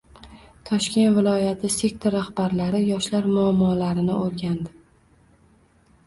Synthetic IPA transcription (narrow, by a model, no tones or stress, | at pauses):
t̪ʰɒʃkʲe̞nt̪vɪlˠɒjat̪ʰɪse̞k̚t̪ʰɾːahbaɾlaɾɪjɒʃlaɾmʊamːɒːlaɾɪnɪoɾɡʲand̪ɪ